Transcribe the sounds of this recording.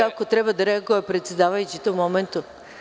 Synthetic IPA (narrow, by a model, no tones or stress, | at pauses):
akot̪ɾɛbad̪aɾeaɡoʋapɾet̪sʲjed̪aʋajut͡ɕit̪oumoment̪u